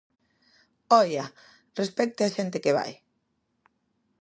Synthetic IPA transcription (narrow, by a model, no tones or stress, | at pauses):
ɔja | respɛk̚t̪eaʃent̪ɪkeβ̞a̰j